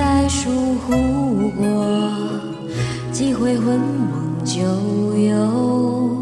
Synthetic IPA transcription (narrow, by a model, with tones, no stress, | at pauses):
a˥˧ɪʂu˧˩xu˧˥˧kwɔ˧˩ | t͡ɕi˥˩xwe˧ɪxwə˧˥nmɔ˨˩ŋt͡ɕjo˧˩ʊjo˧ʊ